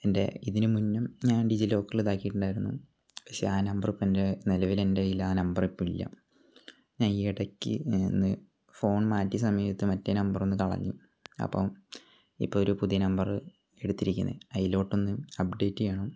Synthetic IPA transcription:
e̞nde̞̰iðinɨmunːɐmɲaːnɖid͡ʑilo̞ːkːɐɭiðaːkːijiʈːuɳɖaːjiɾunːṵ | pɐkʂe̞̰aːnɐmbɐripːoende̞nilɐʋile̞nde̞ilːɐaːnɐmbɐripːoːmilːɐ̰ | ɲaːniiɽɐkʲːɨ̰nːɨ | fo̞ːɳmaːtːisɐmɐjʋit̪ːɨmɐtːenɐmbɐro̞nːɨkɐɭɐ̰ɲːu | ɐ̰pːom | ḭpːoːoɾupuðijɐnɐmbɐrɨ | e̞ɽut̪ːiɾikʲːunːɐ̰ðɐjilo̞ːʈːo̞nːɨɐp̚ɖe̞ːtːɨjaːɳo

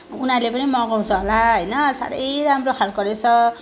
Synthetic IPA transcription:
unarlepʌnimʌɡaw̃t͡sʰʌɦolaɦʌjnʌsa̰ɾʌ̰jɾamrokʰalɡʌɾet͡sʰʌ

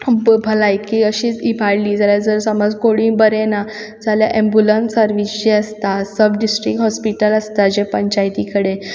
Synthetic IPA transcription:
bʱəlajkiːəɕiːibʱaɽliːd͡zaljad͡zəɾsəmɔd͡zkoɽĩːbəɾena | d͡zaljaʔẽmbulənsəɾʋisd͡ʑeəst̪asəbɖisʈɾikʈɦɔspiʈələst̪ad͡ʑepəɲt͡ɕajt̪ikəɽe

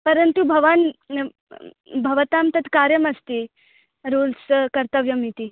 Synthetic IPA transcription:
pəɾənt̪ubʱɐʋan | bʱɐʋt̪amt̪ɐt̪ʰkaɾjəməst̪i | ɾolskəɾt̪əʋjəmit̪i

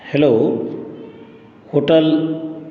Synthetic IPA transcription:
heloː | hoʈəl

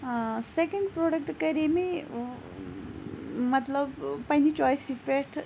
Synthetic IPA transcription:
sekɐɳɖpɾoɖək̚ʈkɐɾimi | mɐt̪ləbpɐɦnit͡ʃɔːjsipeʈʰ

